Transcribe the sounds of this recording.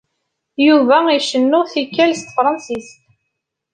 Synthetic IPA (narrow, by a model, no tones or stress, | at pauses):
juvæiʃənːʊθikːælst̪fɾˤɑnsist̪